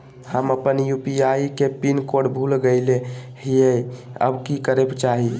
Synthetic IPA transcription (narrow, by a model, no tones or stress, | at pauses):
həməpənjupiaikepinkoɽbʱulɡəɪlehijəjə̰bkikəɾebt͡ʃaɦi